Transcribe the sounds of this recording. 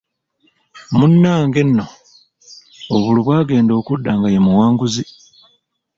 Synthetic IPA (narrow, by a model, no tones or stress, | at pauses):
munːaːŋɡe̞nːo̞ | βuluβwaːɡe̞ːndo̞ːkudːaːŋɡajemuwaːŋɡuzi